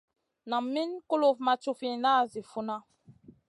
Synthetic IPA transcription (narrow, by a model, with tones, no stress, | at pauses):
na˨mːi˦nku˦lo˦˨fma˨t͡ʃu˦fi˨na˦˨zi˨fu˦na˦